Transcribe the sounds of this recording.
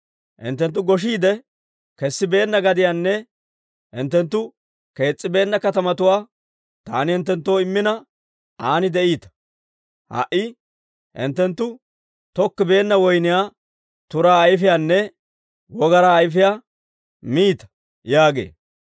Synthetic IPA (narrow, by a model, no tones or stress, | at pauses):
hɪ̰nt̪ːɛnt̪̬ːʊɡɔʃ̬iːd̪ɛ | kɛsːɪbe̞ːnːɐɡɐd̪ɪjaːnːɛ | ɪnt̪ːɛnt̪ːʊ | ke̞ːt͡sʼːɪbe̞ːnːɐkɐt̪ɐmɐt̪ʊwaː | t̪aːnɪhɪnt̪ːɛnt̪ːoːɪmːɪnɐ | aːnɪd̪ɛʔiːt̪ɐ̥ | hɐ̰ʔːɪ | ɪ̰nt̪ːɛnt̪ːʊ | t̪ɔkːɪbe̞ːnːɐwɔjnɪjaː | t̪ʊɾaːjfɪjaːnːɛ | wɔɡɐɾaːjfɪjaː | miːt̪ɐ̥ | jaːɡḛː